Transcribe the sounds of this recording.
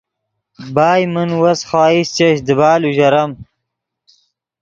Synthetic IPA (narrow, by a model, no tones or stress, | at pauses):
baːjmɨnwɐsχaːist͡ɕeɕd̪əbaːluʑɐɾɐm